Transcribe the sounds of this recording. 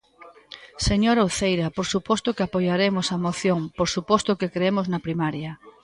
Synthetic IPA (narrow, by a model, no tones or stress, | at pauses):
seɲoɾaowθejɾɐpoɾsupɔst̪ʊkɪapojaɾemosɐmoθjoŋpoɾsupɔst̪ʊkekɾeemoznɐpɾimaɾjɐ